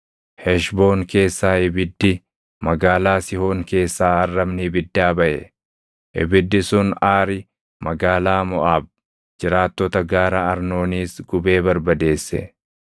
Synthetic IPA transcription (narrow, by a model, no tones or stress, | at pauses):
hɛʃbo̞ːŋke̞ːsːaːhɪbɪd̪ːɪ | mɐɡaːlaːsɪho̞ːŋke̞ːsːaːɐrːɐmnɪbɪd̪ːaːbɐʔɛ̰ | ʔɪ̰bɪd̪ːɪsʊnaːɾɪ | mɐɡaːlaːmɔʔaːb̚ | d͡ʒɪɾaːt̪ːɔt̪ɐɡaːɾɐɐɾno̞ːniːsɡʊbe̞ːbɐɾbɐd̪e̞ːsːɛ̰